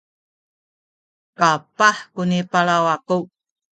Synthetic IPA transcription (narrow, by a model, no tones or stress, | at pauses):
kapaħkunipaɭawaku